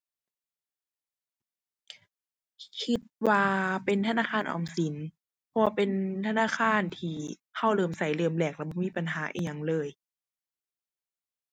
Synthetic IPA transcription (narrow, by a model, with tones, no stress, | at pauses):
kʰi˧t̪̚waː˧pe˨nt̪ʰa˧naː˧˥˨xʰaː˧˥˨nʔɔ̰ː˨˩msi˨˦n | pʰɔ˧a˧pe˧˨nt̪ʰa˧naː˧˥˨kʰaː˧˥˨nt̪ʰiː˧˩ | kʰa˧˩wlɤː˧˩msa˨˦jlɤː˧˩mlɛː˧˩k̚lɛː˧˥˩bɔː˧˩miː˧˥˨pa˨nɦaː˨˦ʔḭː˧˨ɲa˧ŋlɤː˧˩j